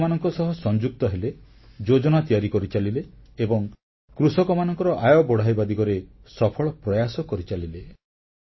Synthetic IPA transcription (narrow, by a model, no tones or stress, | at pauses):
manɔŋkɔsɔɦɔsɔnd͡ʒuk̚t̪ɔɦele | d͡ʒod͡ʒɔnat̪ijaɾikɔɾit͡ʃalileːbɔŋ | kɾusɔkɔmanɔŋkɔɾɔʔajɔbɔɽ̤ajbad̪ikɔɾesɔpʰɔɭɔpɾɔjasɔkɔɾit͡ʃalile